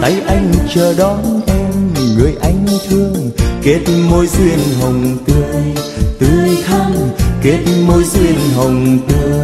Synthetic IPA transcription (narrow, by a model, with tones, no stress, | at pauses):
t̪a˨˦jʔa˧jŋ̟t͡ɕəː˧˩ɗɔ˨˦nʔɛ˧mŋɨ˨˩əjʔa˧˦jŋ̟t̪ʰɨ˧əŋke˨˦˥t̚mo˧jzwi˧˩ənɦə˨˩wŋ͡mt̪ɨ˧əjt̪ɨ˨˩t̪ʰa˧ŋke˦˥t̚mo˧jzwi˧ənɦə˨˩wŋ͡mt̪ɨ˧ə